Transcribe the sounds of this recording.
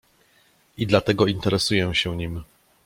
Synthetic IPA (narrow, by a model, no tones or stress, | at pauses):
id̪lat̪ɛɡɔint̪ɛɾɛsujɛ̃ɕɛɲim